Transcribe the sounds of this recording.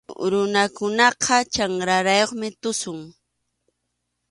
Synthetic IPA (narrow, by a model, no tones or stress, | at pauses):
ɾʊnakʊnɑqʰɑt͡ʃaŋɾaɾajoχmɪt̪ʊsʊŋ